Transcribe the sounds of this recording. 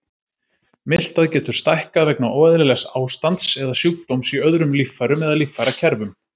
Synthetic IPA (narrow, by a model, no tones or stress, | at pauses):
mɪl̥t̪aðcɛːt̪ʏɾ̥st̪ajhkaðvɛknaʔɔːɛðɪlɪlɛxsaːwst̪ant̪sɛðasjuk̚t̪owmsiœðɾʏmlifːaɾʏmɛðalifːaɾacʰɛɾvʏm